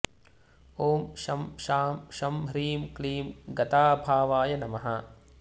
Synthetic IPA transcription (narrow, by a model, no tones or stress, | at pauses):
oːmʃɐmʃaːmʃɐmɾiːmkliːmɡɐt̪aːbʱaːʋaːjɐnɐmɐɦɐ